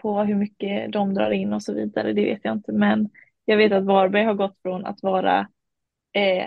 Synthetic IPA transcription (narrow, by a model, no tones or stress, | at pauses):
pʰɔɦɵɾmʏkːəd̪ɔmd̪ɾɑ̰ːɾɪnːɔsɔvḭːd̪aɾə̰d̪ɛvḛːt̪jaɪnt̪ʰəmɛn | jɑːɡveːt̪at̪vɑːɾbæjɦaɾɡɔt̪ːfɾɔna̰t̪vɑːɾa̰